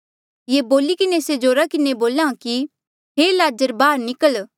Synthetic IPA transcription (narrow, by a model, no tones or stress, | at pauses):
jeːboːlikɪnesed͡ʒoːɾakɪneboːlãki | ɦeːlaːd͡ʒəɾbaːɾnɪkəl